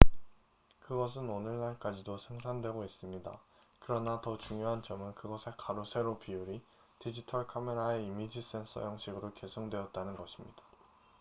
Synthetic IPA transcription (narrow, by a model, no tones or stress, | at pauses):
kɯɡʌs̬ʰɯnonɯɭnaɭk͈ad͡ʑidosʰe̞ŋsʰaŋdwe̞ɡois͈ɯmɲida̰ | kɯɾʌnatʌt͡ɕuŋjoɦant͡ɕʌmɯnkɯɡʌsʰe̞kaɾosʰe̞ɾopiuɾi | tid͡ʑitʰʌɭkʰame̞ɾaeimid͡ʑis͈e̞nsʰʌ̰jʌŋɕʰiɡɯɾoke̞sʰoŋdwe̞ʌt̚t͈anɯnɡʌɕʰimɲid̥ḁ